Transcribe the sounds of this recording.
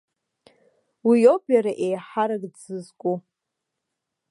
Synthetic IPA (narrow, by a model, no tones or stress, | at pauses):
wijopʰʼjaɾaʔejħaɾaɡʼdd͡zɨzkʼu